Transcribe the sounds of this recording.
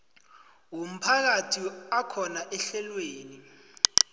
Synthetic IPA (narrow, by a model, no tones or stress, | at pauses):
wom̩pʰak̬atʰiakʰɔnaʔɛɬɛlweːni